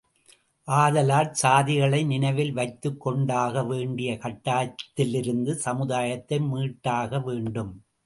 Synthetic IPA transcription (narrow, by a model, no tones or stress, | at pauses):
ʔaːðɐlaːʈ̚saːðɪɣɐɭɐɪnɪnɐɪʋɪlʋɐɪt̪ːɯkːɔɳɖaːɣɐʋeːɳɖɪjɐkɐʈːaːt̪ːɪlɪɾɯnd̪ɯsɐmɯðaːjɐt̪ːɐɪmiːʈːaːɣɐʋeːɳɖɯm